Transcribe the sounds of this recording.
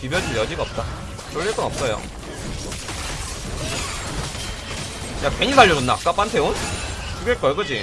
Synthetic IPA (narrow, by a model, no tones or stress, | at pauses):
pibjʌd͡ʑɯɭjʌd͡ʑiɡaʌp̚t͈a | t͡ɕ͈ʌɭːiɭk͈ʌnʌp̚s͈ʌjo̰ | ɲakweɲisʰaɭːod͡ʑonːak͈ap͈antʰeon | t͡ɕuɡeɭk͈ʌɭɡɯd͡ʑi